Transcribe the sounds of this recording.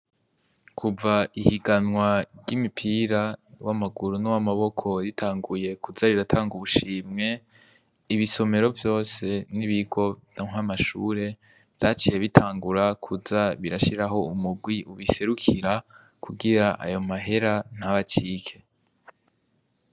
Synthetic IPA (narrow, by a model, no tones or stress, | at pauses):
kʰuvaihiɡanŋwaɟimipʰiːɾawʔamaɡuɾunuwamaβo̞kʰo̞jitʰaːŋɡuje̞kʰuzaɾiɾatʰaːŋɡuβuʃiːmŋe̞ | iβiso̞me̞ɾo̞vjo̞ːse̞niβiɡo̞naŋwamaʃṵɾe̞ | vj̥at͡ʃije̞βitʰaːŋɡuɾakʰuzaβiɾaʃiɾaɦo̞umuɡwiʔuβise̞ɾukʰiɾa | kʰuɡiɾaʔa̰jo̞maɦe̞ɾan̥haβat͡ʃiːkʰe̞